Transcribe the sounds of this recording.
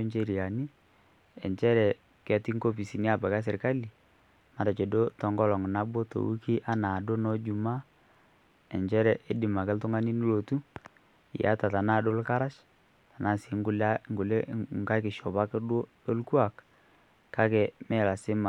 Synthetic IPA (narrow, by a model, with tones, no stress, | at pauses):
nt͡ʃe˦˨ɾi˨a˨ni˦ | ɛ̰˨nt͡ʃɛ˦ɾɛ˨ | kɛ˨ti˦ŋko˦pi˨si˨ni˦a˨ba˨ka˦s̬ɪ˨ɾka˦li˨ | ma˨ta˨t͡ʃɛ˨do˦tɔ˨˦ŋɡɔ˦lɔ˨ŋ˨na˦bo˦to̰˨wu˦ki˦ʔa˦na˨do˦nɔ˦d͡ʒu˨ma˦ | ɛ˨ɲt͡ʃɛ˦ɾɛ˨ʔɛ˦dɪ˨ma˨kɛ˦ltʊ˦ŋa˦ni˦ni˦lo˨tu˦ | ja̰˨˦ta˨ta˨na˦˨do˦lka˦ɾa˦ʃ | ta˨na˦˨si˨˦ŋɡʊ˨˦la˦ŋɡʊ˨lɛ˦ŋ˨ka˦kɪ˨ʃɔ˨pa˦kdwo˦ | o˦lku˦a˨k | ka˦kɛ˨mɛ˦˨la˨sɪ˦ma˨